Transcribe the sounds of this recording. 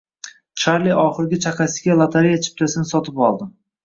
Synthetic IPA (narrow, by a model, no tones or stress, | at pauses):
t͡ʃʰaɾliʔɒχɨɾɡʲɪt͡ʃʰaqasɪɡʲalˠat̪ʰaɾijat͡ʃʰɪ̥p̚t̪ʰasɪnɪsɒt̪ʰɪpɒlˠd̪ɪm